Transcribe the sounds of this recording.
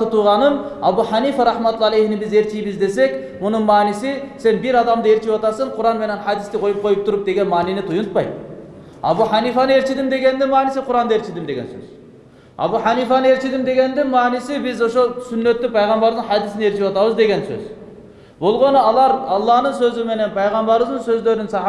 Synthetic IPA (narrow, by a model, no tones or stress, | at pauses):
ɨt̪ʰuʁɑnɨmɑbuħɑnifɑɾɑħmɑt̪ulˠɑlˠejhnɪbɪzeɾt͡ʃʰijbɪzd̪esɛkʲ | munɨnmɑːnɪsɪsenbiɾɑd̪ɑmd̪ɑeɾt͡ʃʰipɑt̪ɑɾsɨɴqʰʊɾɑnmenɛnħɑd̪ɪst̪ɪqʰojup̚qʰojup̚t̪ʰuɾup̚d̪eɡʲɛnmɑːninɪt̪ʰujuʊnt̪pɑj | ɑ̰buħɑnifɑnɨeɾt͡ʃʰid̪ɪmd̪eɡʲɛnd̪ɪmɑːnɪsɪqʰʊɾɑnd̪ɑeɾt͡ʃʰɪd̪ɪmd̪eɡʲɛ̰nsø̰z | ɑ̰buħɑnifɑneɾt͡ʃʰid̪ɪmd̪eɡʲɛnd̪ɪnmɑːnɪsɪbɪzoʃosynːøt̪ːɪpʰɑjʁɑmbɑɾwzɨnhɑd̪isɪneɾt͡ʃʰipɑt̪ɑβɨzd̪eɡʲɛnsø̰z | bolˠʁonɑlˠɑɾɑlˠːɑhnɨnsøzɪmenɛnpʰɑjʁɑmbɑɾwɨznɨnsøzløɾnɪnsɑ